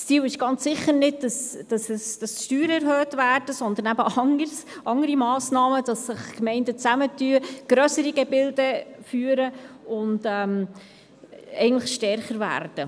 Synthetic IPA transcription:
st͡siːwɪʃɡ̥ɑnt͡sːɪχːəɾnɪd̚d̥ɑsd̥ɑsɛsd̥ɑsʃtyːɾəɛɾhøːtʋæːrd̥əsɔnd̪ənæbəʔɑŋəsʔɑŋəɾimɑːsnɑːməd̥ɑsːɪχkmɛɪndət͡sæmətyːəɡ̥ɾœsəɾiɡɛbɪldɛfyːəɾəʊndɛm | ɛ̰ɪɡən̩tləχʃtɛɾχəɾvæ̰ːrd̥ə

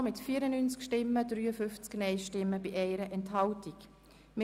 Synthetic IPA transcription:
mɪtfiːɾənyːnt͡skʃtɪmːədɾyːəfʏft͡sknɛɪʃtɪmːəb̥iʔɛɪɾəʔɛnthɑltik | mɪ

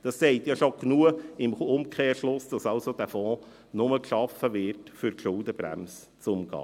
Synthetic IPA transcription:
d̥ɑsːeɪtjɑʃoknuəɪmʊmkʰχeːɾʃlʊsd̥ɑsɑlsod̥æfɔ̃ː | nʊməkʃɑfəʋɪɾtfyɾkʃʊldəb̥ɾæ̰ms | t͡sʊmɡɑ̰ː

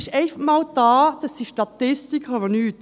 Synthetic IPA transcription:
ʃɛɪfəmɑːld̥ɑːd̥̪ɑsdiʃtɑt̪ɪst̪ikʰɑvənyːt̪

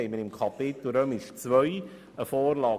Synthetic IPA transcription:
ɛɪmənɪmkʰɑpɪt̪l̩ɾœmɪʃt͡sʋœj | əfoːɾlɑː

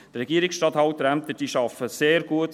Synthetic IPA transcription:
t̪ɾɛɡiəɾɪksʃtɑt̪hɑwt̪ɾæmt̪əd̥iːʃɑfəseːɾɡ̥uət

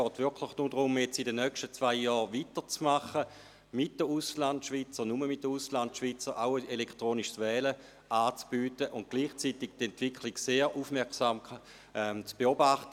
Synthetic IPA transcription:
sɡ̥ɔːtv̥ʏɐkʰlɪχnudʁʊmjɛt͡sidənœkʃtət͡svaɪjɔːʁʋitət͡smaχə | mɪt̚d̥əuslantʃviːt͡sənuməmɪit̚dəuslantʃvit͡səʁaʊəelekʰtʁoːniʃsvɛːlə | ʔaːt͡sb̥yːtəʔʊnt̚ɡ̥liːχt͡siːtɪɡtɛntv̥ɪkʰliɡseːʁʔufmɛɐksaːm | ʔɛmt͡sb̥eobaχtə

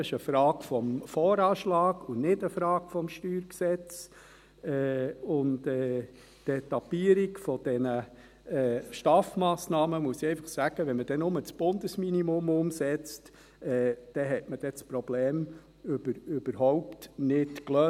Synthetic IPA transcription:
ɪʃəfɾɑːɡ̥fɔmfɔːɾɑːʃlɑːɡʊnɪdəfɾɑːɡ̥fɔmʃtyːɾksɛt͡s | ɛːʊndɛ | d̥ɛtːɑpːiəɾikfɔd̥ɛnə | ɛːʃtɑːfmɑːsnɑːməmuəsiɛɪfɑχsæɡ̥əʋɛnməd̥ɛnʊmət͡sb̥ʊndəsminimʊmʊmsɛt͡st | ɛːd̥ɛɦɛtməd̥ɛt͡spɾɔb̥lɛːm | øbəɾʏb̥əɾɦɔʊptnɪtkløː

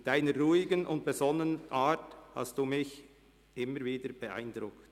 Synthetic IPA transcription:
d̥aɪnəɾɾuːɪɡənʔʊ̰nt̚b̥ezɔnːənʔaːtha̰std̥uːmɪç | ʔɪməɾviːdəɾb̥eʔa̰ɪndɾʊkt

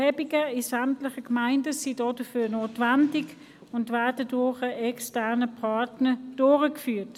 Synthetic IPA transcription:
hɛbɪɡəɪsɛmtlɪχəkmaɪndəsiːdɔːdəfyːnoːtvɛndɪɡ | ʊndvɛɐdədʊχəʔɛkstɛʁnəpʰɑtnəd̥ʊːʁəkfyːt

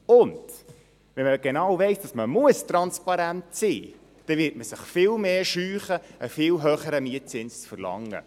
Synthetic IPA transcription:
ʊnd̥ | ʋɛnməɡ̥enɑwvɛɪsd̥ɑsməmuəstɾɑnspɑɾæntsḭː | d̥ɛvɪːɾt̚məsɪχfɪlmeːʃyːχəəfɪːlɦøχəɾəmiət̚t͡sɪnst͡sfəɾlɑ̰ŋːə̰

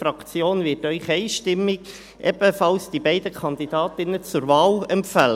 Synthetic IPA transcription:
fɾɑkt͡sjoːnvɪːɾtœʏχɛɪʃtɪmːɪɡ | ʔɛb̥əfɑlsd̥ibɛɪd̥əkʰɑnd̪id̥ɑːt̪ɪnət͡sʊɾvɑːlɛmfælə

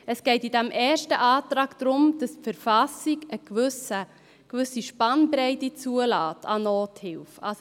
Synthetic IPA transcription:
əsɡ̥ɛɪtidæmʔɛːʃtəʔɑːtɾɑːkd̥̪ɾʊmd̥ɑspfəɾfɑsiɡəkʋʏsə | kʋʏsiʃpɑnbɾɛɪtit͡suəlɑːtʰɑ̰noːthɪlfɑ̰s

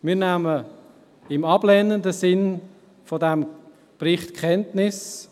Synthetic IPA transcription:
mɪːɾnæmə | ɪmɑblɛnəndəsɪn | fodɛm | prɪχtkʰχɛntnɪs

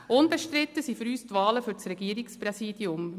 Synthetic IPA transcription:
ʔʊnbɛʃtɾɪt̪ːəsiːfyɾyːstvɑːləfʏɾt͡sɾɛɡ̥iːəɾɪksprɛsiːd̥iʊm

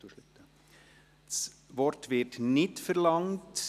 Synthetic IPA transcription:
uʃlɪtːə | s | ʋɔrtʋɪtnɪtfəɾlɑŋt

